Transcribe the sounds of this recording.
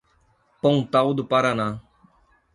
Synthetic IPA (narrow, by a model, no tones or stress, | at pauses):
pəũːt̪aːuːd̪paːɾaːnaː